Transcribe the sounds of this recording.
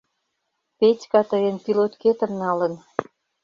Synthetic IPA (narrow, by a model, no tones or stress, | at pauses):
petʲkɑt̪əjənpilot̪ket̪ə̆mnɑlə̆n